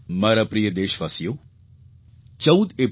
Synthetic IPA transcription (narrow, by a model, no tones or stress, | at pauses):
mɐɾɐpɾijəd̪eːʃʋɐsijo | t͡ʃɐwd̪e